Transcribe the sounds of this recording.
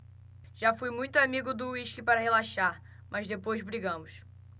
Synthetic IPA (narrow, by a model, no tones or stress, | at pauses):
ʒ̥afujmũj̃t̪ʊamiɡʊd̪ʊiʃkɪpaɾɐhelaʃaɾ | mʔɐzd̪epojzbɾiɡɐ̃mʊs